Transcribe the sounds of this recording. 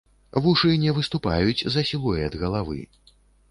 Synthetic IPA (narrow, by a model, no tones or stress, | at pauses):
vuʂɨnʲɛvɨst̪upa̰jut͡sʲzɐsʲilˠujɛɐd̪ɣɐlˠavɨ̰